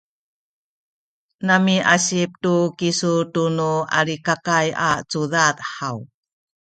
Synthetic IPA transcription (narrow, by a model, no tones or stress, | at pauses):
namiʔaɕip̚tukisutunua̰ɾikakajat͡suðat̪ħaw